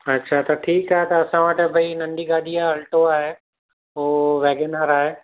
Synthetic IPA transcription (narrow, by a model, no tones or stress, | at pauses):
ɐtːʃʰat̪ɐʈʰiːkaːɦet̪ɐɐsãʋəʈ̆bʱɐinɐ̃ɳɖiɡaːd̪ijaɐlʈoaːɦe | oːʋɛːɡenəɾaːɦeː